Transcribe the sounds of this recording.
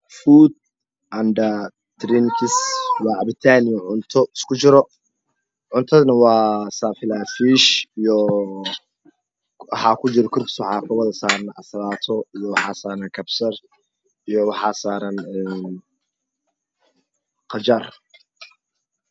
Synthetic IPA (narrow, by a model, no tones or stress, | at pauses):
fuːd̪̚ | ʔɐnɖɐ | d̪̥ɾinkʰɪswɑːʕɑbɪt̪ʰaːnɪjɔʕʊnt̪ʰɔɪskʰʊt͡ʃɪɾɔ | ʕʊnt̪ʰɐðnɐwɑːsaːfɪlaːfiːʃijɔ | wɑħɑːkʰʊt͡ʃɪɾɔkʰʊrkswɑħɑːkʰʊwɐðɐsaːɾɐnʔɐ̰slaːt̪ʰɔijɔwɑħɑːsaːɾɐnkʰɐbsɐr | ijɔwɑħɑːsaːɾɐnɛːn | qɑt͡ʃɐr